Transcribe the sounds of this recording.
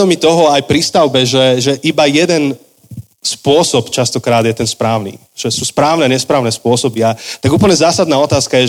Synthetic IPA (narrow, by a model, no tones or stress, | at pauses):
ɔmit̪ɔɦɔajpɾist̪aʊbɛʒɛʒɛʔibajɛd̪ɛn | spʊɔsɔpt͡ʃast̪ɔkɾaːd̪jɛt̪ɛnspɾaːʊnḭː | ʒ̥ɛsuːspɾaːʊnɛɲɛspɾaːʊnɛːspʊɔsɔbiat̪aɡuːpl̩ɲɛzaːsad̪naːɔt̪aːskajɛ